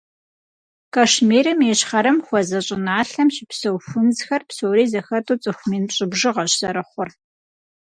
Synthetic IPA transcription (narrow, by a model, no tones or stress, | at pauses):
kʰaːʃmeːɾɐmjɛɕχɐɾɐmxʷɔzɐɕʼɪnaːɬɐmʃɪpsɐwfʊnzxɐrpsoːɾiːzɐxɐtʰʼuːt͡sʼɨxʷmiːnɕʼɪbʒɪʁɐɕz̥ɐɾɨχʷʊr